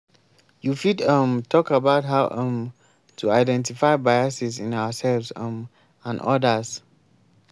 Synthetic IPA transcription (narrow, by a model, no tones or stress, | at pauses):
jufidʌmtʰɔkabaʊtɦaʊʔʌ̃m | tʰuaɪdɛ̃ntifaɪbajəsisĩnaʊəsɛlvzʌ̃m | ãnʔɔ̰dəs